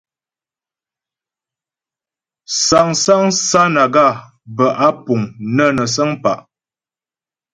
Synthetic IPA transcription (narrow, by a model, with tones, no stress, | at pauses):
sa˨ŋsa˦ŋsa˦na˨ɡa˦˨ | bə˨ʔa˦pu˨ŋnə˦nə˨s̬ə˦ŋpa̰˨ʔ